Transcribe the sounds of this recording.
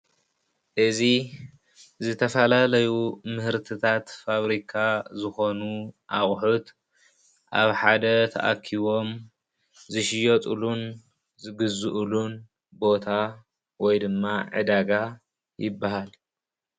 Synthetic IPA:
ʔɨzi | zɨt̪ʰɐfɐlalɐjumɨhɨɾt̪ʰɨt̪ʰat̪faβɾikʰazɨxo̞nuʔaxʼħut̪ | ʔaβħad̪ɐt̪ʰɐ̰ʔa̰kʰːiβo̞m | zɨʃɪjot̪ʼulun | zɨɡɨzɨʔulun | bo̞t̪ʰa | wɔjd̪ɨmːaʕɨ̰d̪aɡa | jɪbːaɦal

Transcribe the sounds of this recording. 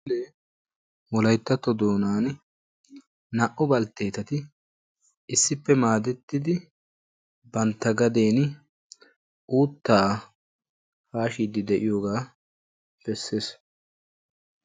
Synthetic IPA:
le | wɔlɐjt̪ːɐt̪ɔd̪oːnaːn | nɐʔɔbɐlt̪ːe̞ːt̪ɐt̪ɪ | ɪsːɪpːɛmaːd̪ɛt̪ːɪd̪ɪ | bɐnt̪ːɐɡɐd̪e̞ːn | ʔuːt̪ːaː | faːʃiːd̪ɪd̪ɛʔɪjoːɡaː | b̥ɛsːeːs

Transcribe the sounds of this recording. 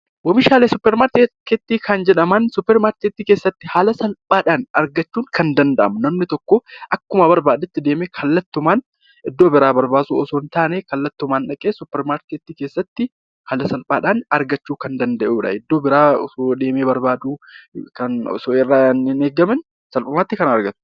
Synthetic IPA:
wɔmɪʃaːleːsʊpːɛɾmaːɾt̪eket̪ːiːkʰɐnd͡ʒɛᶑɐmɐnsʊpːɛɾmaːɾt̪et̪ːiːke̞ːsːɐt̪ːɪhaːlɐsɐlpʼaːᶑaːnɐɾɡɐt͡ʃːuːŋkɐnd̪ɐnd̪ɐʔɐ̰mʊnɐmnɪt̪ɔkːɔʔɐkːʊmɐbɐɾbaːd̪ɪt̪ːɪd̪e̞ːmeːkʰɐlːɐt̪ːʊmaːn | ʔɪd̪ːo̞ːbɪɾaːbɐɾbaːsuːɔsoːnt̪aːneːkɐlːɐt̪ːʊmaːnᶑɐkʼeːsʊpːɛɾmaːɾt̪et̪ːiːke̞ːsːɐt̪ːɪ | haːlɐsɐlpʼaːᶑaːnɐɾɡɐt͡ʃːuːkɐnd̪ɐnd̪ɐʔuːᶑɐ̰ɪd̪ːoːbɪɾaːɔsod̪e̞ːmeːbɐɾbaːd̪uːkɐnɔ̰soːɪrːaːnɪneːɡɐmɪn | sɐlpʼɐmaːt̪ːɪkɐnɐɾɡɐt̪ʊ̥

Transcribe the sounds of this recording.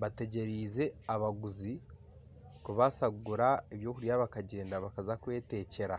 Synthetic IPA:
βate̞ɟe̞ɾiːze̞aβaɡuzi | kuβasaɡuɾaeβjo̞kuɾijaβakaɟe̞ːndaβakazakwe̞ːte̞ːce̞ɾa

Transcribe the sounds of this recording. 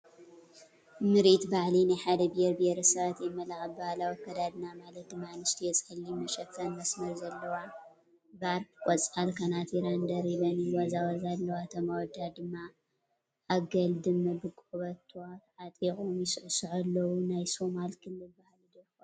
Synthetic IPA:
mɨɾit̪baʕlinajħad̪ɐbieɾbeɾɐsɐβat̪jɛmːɐlaxɐbɨhalawkʰɐd̪ad̪ɨnamalɐt̪̚d̪ɨmːanɨst̪ʰijɛt͡sʼɐlːimɐʃɐkʰːɐnmɐsmɐɾzɐlːɐwa | baɾkkʼɔt͡sʼalkʰɐnat̪jɛɾand̪ɐɾiβɐniwɐzawɐzalːɐwat̪ʰɐmawɔd̪ad̪ɨmːa | ʔaɡɐld̪ɨmːɨbɨkʼuβɐt̪ʰːwaʕat̪ʼikʼomjɪsɨʕsɨʕalːɐwunajso̞malkʰɨlːɨlbaħlid̪ɐjk

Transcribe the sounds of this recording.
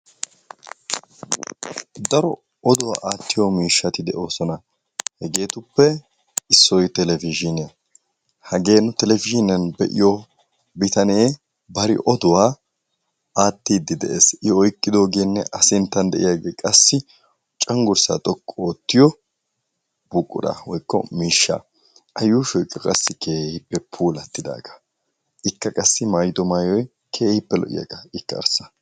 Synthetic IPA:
d̪ɐɾɔ | ɔd̪ʊwa̰ːʔaːt̪ːɪjɔmiːʃːɐt̪ɪd̪ɛʔo̞ːsɔnɐ | hɛɡe̞ːt̪ʊpːɛ | ɪsːɔjt̪ɛlɛvɪʒɪnɪɐ | hɐɡe̞ːnːʊt̪ɛlɛfɪʒɪnɐnbɛʔɪ̰jɔ | bɪt̪ɐneː | bɐɾɪ̰ʔɔd̪ʊwaː | aːt̪ːiːd̪ːɪd̪ɛʔeːsʔɪɔjkʼːɪd̪o̞ːɡeːnːɛʔɐsɪnt̪ːɐnd̪ɛʔɪjaːɡeːkʼɐsːɪ | t͡ʃʼɐŋɡʊɾsa̰ːt̪ʼɔkʼːɔoːt̪ːɪjɔ | bʊkʼːʊ̰d̪ɐ̰wɔjkːɔ̰miːʃːa̰ | ʔɐjuːʃɔjkʼːɐkʼɐsːɪkʰeːhɪpːɛpʰuːlɐt̪ːɪd̪a̰ːɡɐ̥ | ʔɪkːɐkʼɐsːɪmaːjɪd̪ɔmaːjɔj | kʰe̞ːhɪpːɛlɔ̰ʔɪ̰ja̰ɡɐɪkːɐ̰ːɾsɐ̥

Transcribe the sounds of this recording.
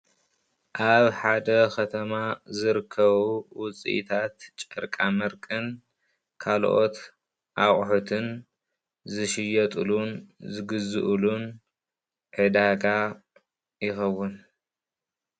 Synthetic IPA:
ʔaβħad̪ɐkʰɐt̪ʰɐmazɨɾɨkʰːɐβuwʊt͡sʼḭʔḭt̪ʰat̪t͡ʃʼɐɾkʼamɐɾkʼɨn | kʰalʔo̞t̪ | ʔaχʼħut̪ʰɨn | zɨʃɪjɐt̪ʼɨlunzɨɡɨzɨʔlun | ʕɨd̪aɡa | jɪxɐwːʊn

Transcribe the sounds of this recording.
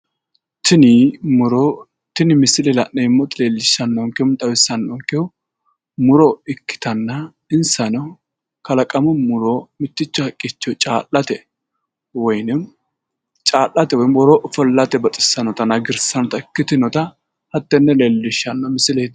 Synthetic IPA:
t̪ɪnɪmʊɾɔ | t̪ɪnɪmɪsɪlelɐnɛɪmːɔt̪ɪleːlːɪʃːɐnːɔŋkɛmt̪ʼɐwɪsːɐnːɔŋkɛwʊ | mʊɾɔɪkːɪ̥t̪ɐnːɐ | ɪnsɐnɔ | kɐlɐkʼɐmʊmʊɾɔmɪt̪ːɪt͡ʃːɔɐkʼːɪt͡ʃːɔt͡ʃʼaːlːɐt̪ɛ | wɔjnɪ | t͡ʃʼaːlːɐt̪ɛwɔjnwɔɾɔʔfɔlːɐt̪ɛbɐt̪ʼɪ̥sːɐnɔt̪ɐnɐɡɪɾsɐnɔt̪ɐɪkːɪt̪ɪnɔt̪ɐ | hɐt̪ːɛnːɛleːlːɪʃːɐnːɐmɪsɪled̪

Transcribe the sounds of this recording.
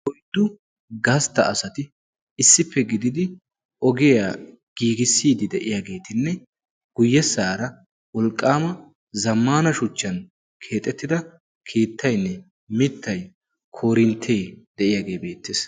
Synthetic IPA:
wɔjd̪ːʊ | ɡɐst̪ːɐʔɐsɐt̪ɪ | ɪsːɪpːɛɡɪd̪ɪd̪ɪ | ɔɡɪjaː | ɡ̥iːɡɪsːiːd̪ɪd̪ɛʔɪjaːɡe̞ːt̪ɪnːɛ | ɡ̥ʊjːɛsaːɾɐ | wɔlkʼːaːmɐ | zɐmːaːnɐʃʊt͡ʃːɐn | kʰe̞ːt̪ʼːɛt̪ːɪd̪ɐ | kʰiːt̪ʰːɐjnːɛ | mɪt̪ʰːɐj | kʰo̞ːɾɪnt̪ʰeːd̪̥ɛʔɪjaːɡe̞ːbe̞ːt̪ːes

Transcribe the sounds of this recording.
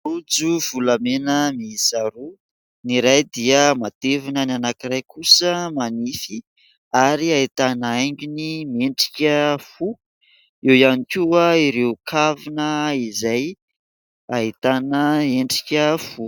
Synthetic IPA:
ud͡zuv̥ulamenəmisaɾu | niɾajd̪iəmat̪evunənanakirajkʰusəmanifi | aɾiait̪anəajɲɡʲunimeɳʈ͡ʂi̥kʲəfu | ewjanikʲuaiɾewkʰavinəizaj | ait̪anəeɳɖ͡ʐi̥kʲəfu

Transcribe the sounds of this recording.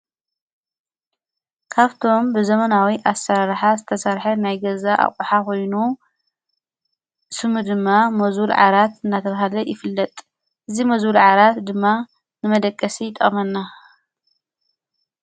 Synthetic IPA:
kʰaβt̪ʰo̞mbɨzɐmɐnawiʔasːaɾaɾħazɨt̪ʰɐsɐɾħɐnajɡɐzaʔa̰kʼuħakʰo̞jnu | sɨmɨd̪ɨmːamɐzulʕa̰ɾat̪ɨnːat̪ʰɐβaɦalɐjɪfɨlːɐt̪ʼ | ʔɨzimɐzulʕaɾat̪d̪ɨmːa | nɨmɐd̪ɐkʼːɐsit̪ʼɐmɐnːa

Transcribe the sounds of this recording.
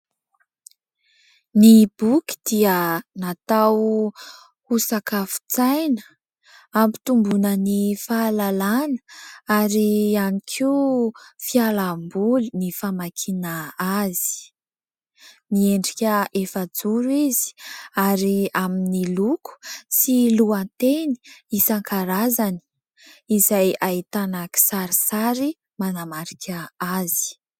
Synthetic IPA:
nib̥uki̥d̪̥iənat̪aw | husakafu̥t͡sajnə | ampi̥t̪umbunənifalalanə̥aɾianikʰi | fialambulinifamakʰinaazi̥ | mieɳɖ͡ʐikʲəefəd͡zuɾuizi̥aɾiaminiluku̥siluant̪eni̥isaŋkʰaɾazani̥ | izajait̪anaki̥saɾisaɾi | manamaɾikʲʰəazi̥

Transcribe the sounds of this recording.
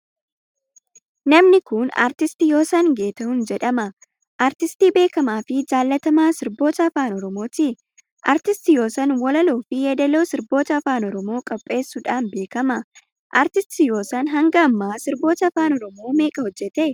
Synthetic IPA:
nɐmnɪkʊna̰ːɾt̪ɪst̪ɪjo̞ːsɐnɡe̞ːt̪ɐhʊnd͡ʒɛᶑɐmɐ | ʔaːɾt̪ɪst̪iːbe̞ːkɐmaːfɪd͡ʒaːlːɐt̪ɐmaːsɪɾbo̞ːt̪ɐɐfaːnɔɾɔmo̞ːt̪ɪ | ʔaːɾt̪ɪst̪ɪjo̞ːsɐnwɐlɐloːfɪjɛd̪ɐlo̞ːsɪɾbo̞ːt̪ɐːfaːnɔɾɔmo̞ːkʼɔpʼːe̞ːsːuᶑaːnbe̞ːkɐmɐ | ʔaɾt̪ɪst̪ɪjo̞ːsɐnɦɐŋɡɐːmːaːsɪɾbo̞ːt̪ɐfaːnɔɾɔmoːme̞ːkʼɐhɔd͡ʒːɛt̪e

